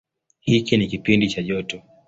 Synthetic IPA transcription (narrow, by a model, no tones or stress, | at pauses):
hikinikipindit͡ʃaʄɔtɔ